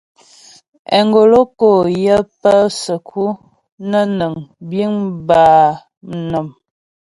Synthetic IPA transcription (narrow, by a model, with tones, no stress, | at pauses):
ɛ̰˨ŋɡo˨lo˦ko˨jə˦pə˦sə˨kʰu˦ | nə˦nə˨ŋbi˦ŋbaː˨ | m̩˨nə˨m